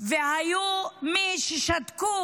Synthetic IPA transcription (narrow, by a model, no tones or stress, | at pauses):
vehajumiʃɛʃat̪ku